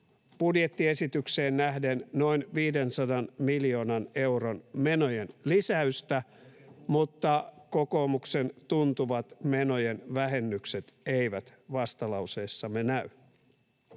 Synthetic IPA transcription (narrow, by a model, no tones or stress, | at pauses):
b̥udjet̪ːie̞sit̪ykse̞ːnːæhdenno̞inʋiːde̞nsɑdɑnmiljo̞ːnɑne̞wɾonme̞nojenlisæyst̪æmut̪ːɑko̞ko̞ːmukse̞nt̪unt̪uʋɑt̪me̞no̞jenʋæɦenːykset̪eiʋæt̪ʋɑst̪ɑlɑuse̞ːsːɑmenæy